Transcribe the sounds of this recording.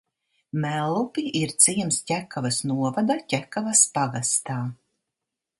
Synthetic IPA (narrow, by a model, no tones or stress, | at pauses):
mælˠːupiʔiɾt̪siɛmscʲækavasnuɔvad̪acʲækavaspaɡast̪aː